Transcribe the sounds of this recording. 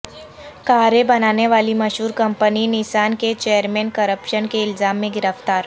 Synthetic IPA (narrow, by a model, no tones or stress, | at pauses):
kaːɾebɐnaːneʋaːlimɐʃɦuːɾkɐ̃mpəninɪʃaːnket͡ʃeːjəɾmɛːnkəɾəpʃənkeɪlzaːmːẽɡɪɾəft̪aːɾ